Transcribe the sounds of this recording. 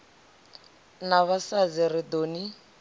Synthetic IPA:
naβasad͡zirɪdoːni

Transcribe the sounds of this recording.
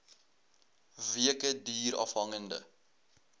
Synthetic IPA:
viəkədiːɾɑ̰fɦɐŋəndə̰

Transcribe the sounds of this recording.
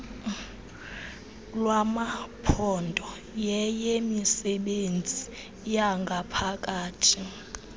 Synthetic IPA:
lwamapʰɔndʱɔ | jɛjemisɛɓend͡zʱi | jaŋɡʱapʰakʼaːtʰi

